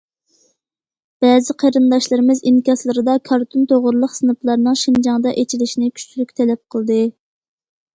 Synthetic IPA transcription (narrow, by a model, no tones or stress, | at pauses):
b̥ɛzɪqʰeɾɨnd̪ɑʃlˠɨɾɨmɪzinkʲɑslˠɨɾɨd̪ɑkʰɑɾt̪ʰunt̪ʰoʁʊɾlˠəqsɨnɨplˠɑɾnɨŋʃind͡ʒɑŋd̪ɑʔet͡ʃʰilɪʃinɪkʲʰy̥t͡ʃʰylykʲt̪ʰɛlɛp̚qʰəlˠd̪ɨ